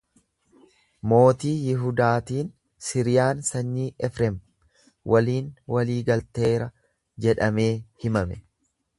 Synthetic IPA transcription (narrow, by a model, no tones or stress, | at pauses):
mo̞ːt̪iːjɪɦʊd̪aːt̪iːn | sɪɾɪjaːnsɐɲːiːʔɛfɾɛm | wʔɐliːnwɐliːɡɐlt̪e̞ːɾɐ | d͡ʒɛᶑɐme̞ːhɪmɐmɛ